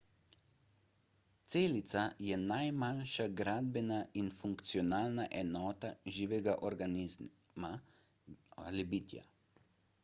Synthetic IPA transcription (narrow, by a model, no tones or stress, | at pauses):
t̪seːlit̪sajɛnajmanʃaɡɾaːd̪̚bɛnainfuŋkt̪siɔnaːlnaʔɛnɔːt̪aʒiːʋɛɡaʔɔɾɡani | ma | alibiːt̪ja̰